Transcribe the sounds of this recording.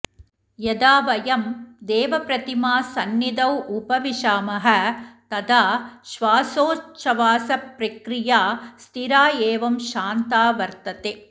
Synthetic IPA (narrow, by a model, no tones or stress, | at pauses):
jɐd̪aːʋɐjɐmd̪eːʋɐpɾɐt̪imaːsɐnːid̪ɐwʔʊpɐʋiʃaːmɐɦɐt̪ɐd̪aːʃʋaːsoːt͡ʃːɐʋaːsɐpɾɐkɾɪjaːst̪ʰiɾaːeːʋɐmʃaːnt̪aːʋɐɾt̪ɐt̪e